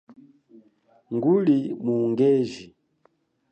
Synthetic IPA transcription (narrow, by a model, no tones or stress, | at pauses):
ŋɡulimuŋɡɛvi